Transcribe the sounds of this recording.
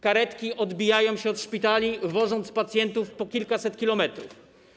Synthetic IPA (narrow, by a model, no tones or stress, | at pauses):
kaɾɛt̪kʲiʔɔd̪bʲijajɔ̃w̃ɕɛɔt̪ʂpʲit̪alʲivɔʐɔnt̪spat̪sʲjɛnt̪ufpɔkʲilkasɛt̪kʲilɔmɛt̪ɾṵf